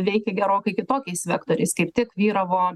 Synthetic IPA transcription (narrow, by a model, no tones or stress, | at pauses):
ʋʲɛɪkʲɛɡʲɛɾoːkɐɪkʲɪt̪oːkʲɛɪsʋʲæːkt̪oːɾʲɛɪskɐɪpt̪ʲɪkʋʲiːɾɐʋoː